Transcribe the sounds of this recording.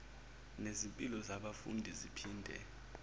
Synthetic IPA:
nezimpʼilɔzaɓafṵndʱizipʰiːndʱɛ̰

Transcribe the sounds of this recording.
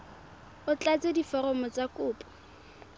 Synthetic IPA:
ʊt͡ɬat͡sedifɔrɔmɔt͡sakʊːpʼɔ̥

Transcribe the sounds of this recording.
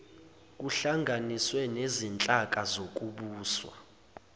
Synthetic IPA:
k̬ʼuɬaŋɡʱaniswɛnezint͡ɬʼak̬ʼazok̬ʼuɓuːswa̰

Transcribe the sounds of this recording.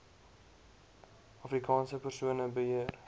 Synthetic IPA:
ɑfrikʰɑːnsəpərsuənəbəɦiər

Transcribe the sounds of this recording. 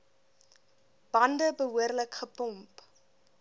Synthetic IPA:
b̥ɐndəbəɦuərləkχəpɔmp

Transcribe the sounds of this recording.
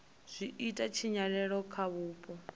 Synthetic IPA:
z̥ʷiitʼat͡ʃʰiɲaɺɛɺɔkʰaβuːpʼɔ

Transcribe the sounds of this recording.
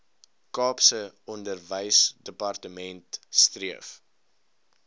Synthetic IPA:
kɑːpsəɔndərvəjsdəpɐrtəmɛntstriəf

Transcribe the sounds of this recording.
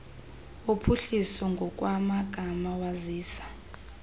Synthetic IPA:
opʰuɬisɔŋɡʱɔk̬ʼwamaɡ̥ʱamawaziːsḁ

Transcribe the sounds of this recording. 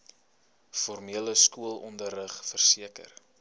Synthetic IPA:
fɔrmiələskuəlˠɔndərəχfərsiəkə̰r

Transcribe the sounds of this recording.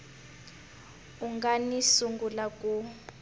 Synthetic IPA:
uŋɡanisuŋɡulakʼu

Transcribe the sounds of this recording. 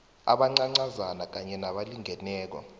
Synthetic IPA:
a̰ɓaŋ͡ǀaŋ͡ǀazanak̬aɲɛnaɓaliŋʱɛnɛːk̬ɔ̰

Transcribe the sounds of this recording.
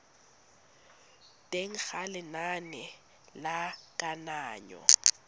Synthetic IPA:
tʼeŋ̩k͡xalɪnanɛ | lakʼanaːɲɔ̰

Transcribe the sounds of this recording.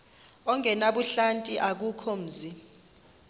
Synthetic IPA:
ɔŋʱɛnaɓuɬantʼiʔak̬ukʰɔm̩ːzi

